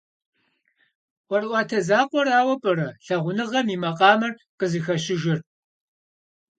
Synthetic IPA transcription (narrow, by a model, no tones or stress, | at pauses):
wʷɔrʔʷɑːtʰɐzaːqʷɔraːwɐpʼɨɾɐɬɐʁʷʊnɨʁɐmiːmɐqʼɑːmɐr | qəzɨxɐɕɪʒɪr